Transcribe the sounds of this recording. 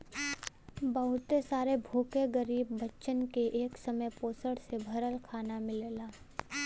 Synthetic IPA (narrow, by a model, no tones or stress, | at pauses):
bɐɦʊt̪esaːɾebʱuːkeɡəɾiːbːɐtːʃənkeʔeːksɐməjpoːsəɽsebʱɐɾəlkʰaːnamɪlelaː